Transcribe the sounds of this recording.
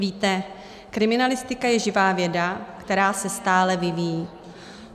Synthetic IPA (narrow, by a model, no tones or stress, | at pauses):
viːt̪ɛ | kɾɪmɪnalɪst̪ɪkajɛʒɪvaːvjɛdakt̪ɛɾaːsɛst̪aːlɛvɪvijiː